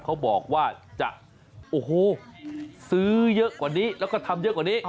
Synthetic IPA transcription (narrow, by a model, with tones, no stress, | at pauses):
kʰa˦˥wbɔː˨˩k̚waː˥˩t͡ɕa̰˨˩ʔ | ʔoː˨˩ɦoː˧˩ | sɯː˦˥jɤ˦˥ʔkwaː˨˩niː˦˥lɛ˦˥wkɔ˥˩t̪ʰa˧mjɤ˦˥kwaː˨˩niː˦˥˩